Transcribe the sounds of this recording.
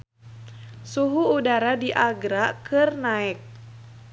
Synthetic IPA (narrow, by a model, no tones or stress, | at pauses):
suɦuːdaɾadiʔaɡɾakɨrnaɛk̚